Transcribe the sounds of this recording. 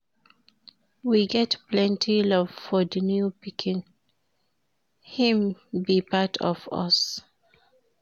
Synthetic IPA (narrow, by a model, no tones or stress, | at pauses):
wiɡɛtplɛ̃ntʰilɔvfɔdinjupikʰĩn | hĩmbipatʰɔ̰vɔ̰s